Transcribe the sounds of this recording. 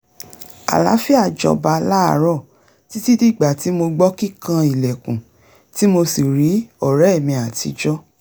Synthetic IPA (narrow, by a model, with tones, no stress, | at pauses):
a̰˨la̰˨˦fi˦a˦˨d͡ʒɔ̰˨˧ba˧la˦a˦˨˦ɾɔ˦˨ | ti˦ti˦di˦˨ɡ͡ba˨ti˨˦mo˧ɡ͡bɔ˦ki˦˨kã˦˧i˨lɛ˨kũ˨ | ti˦mo˧si˨ɾi˨˦ɔ˦˨ɾɛ˨˦ɛ˦˨mĩ˧a˨tḭ˨˧d͡ʒɔ˦